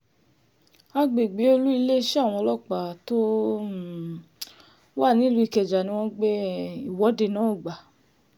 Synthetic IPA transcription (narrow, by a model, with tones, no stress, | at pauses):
a˧ɡ͡be˨ɡ͡be˨˦o˧lu˦i˧le˦ʃe˦a˦˨w̃ɔ̃˧lɔ˦˨k͡pa˨to˦˨ | wa˦˨nĩ˦lu˦i˧˨kɛ˨d͡ʒa˨nĩ˧w̃ɔ̃˦ɡ͡be˦i˦˨wɔ˨˦de˧˨nã˨˦o˦˨ɡ͡ba˨